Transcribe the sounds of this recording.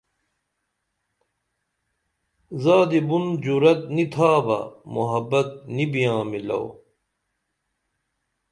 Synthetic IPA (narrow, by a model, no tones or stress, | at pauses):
zaːd̪ibund͡ʑuɾɐt̪̚nit̪ʰaːbɐ̰muɦɐbɐt̪̚nibijãːmilɐ̰w